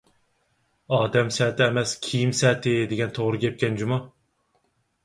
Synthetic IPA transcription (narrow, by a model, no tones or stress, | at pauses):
ɑːd̪ɛmsɛːt̪ɪːmɛskʲʰijimsɛːt̪ɪd̪eɡʲɛnt̪ʰoʁɾɨɡʲɛp̚kʲɛnd͡ʒumɑ